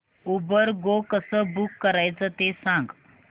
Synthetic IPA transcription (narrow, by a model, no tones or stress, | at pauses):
ubəɾɡokəsəːbukːəɾajt͡sət̪esãŋɡ